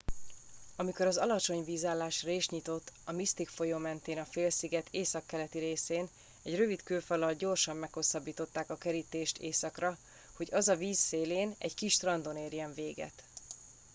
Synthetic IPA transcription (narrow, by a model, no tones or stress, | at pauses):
ɒmiko̞ɾɒzɒlɒt͡ʃo̞ɲviːzaːlːaːʃreːʃɲit̪o̞t̪ːɒmist̪ikfo̞joːmɛnt̪eːnɒfeːlsiɡɛt̪ʰeːsɒkːɛlɛt̪iɾeːseːn | ɛɟrø̞vit̪køːfɒlɒlɟo̞rʃɒmːɛkho̞sːɒbːiːt̪o̞t̪ːaːkɒkɛɾit̪eːʃt̪eːsɒkrɒ | ho̞ɟɒzɒviːsːeːleːnɛ̰ɟkiʃt̪rɒnd̪o̞neːrjɛɱveːɡɛ̰t̪